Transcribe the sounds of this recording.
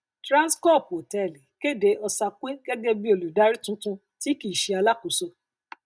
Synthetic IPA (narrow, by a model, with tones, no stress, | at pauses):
tɾã˦skɔ˦˨po˨tɛ˨li˨ke˦˨de˨˦ɔ˧sa˧ke˦ɡ̥ɛ˦ɡɛ˦bi˦o˧lu˨da˦ɾi˦tũ˦tũ˧ | ti˨˦ki˨ʃe˨˧a˧la˦ku˨so˧